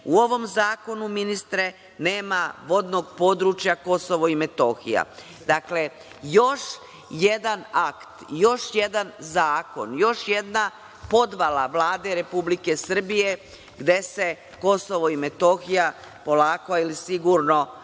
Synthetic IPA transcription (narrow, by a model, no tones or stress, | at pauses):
uo̞ʋo̞mzaːko̞numinist̪ɾe | ne̞ːmaʋo̞d̪no̞ɡpo̞ːd̪ɾut͡ʃjako̞so̞ʋoimet̪o̞xḭja̰ | d̪akle̞ | jo̞ʃ | jed̪anakt̪jo̞ʃje̞d̪anzaːko̞̰njo̞ʃje̞d̪na | po̞d̪ʋalaʋlaːd̪e̞ɾe̞publike̞sr̩bije̞ | ɡd̪e̞se̞ | ko̞soʋoimet̪o̞xija | po̞laːkoilisiɡuɾno̞